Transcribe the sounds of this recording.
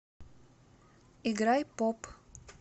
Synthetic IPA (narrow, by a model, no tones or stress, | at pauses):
ɪɡɾajpɔp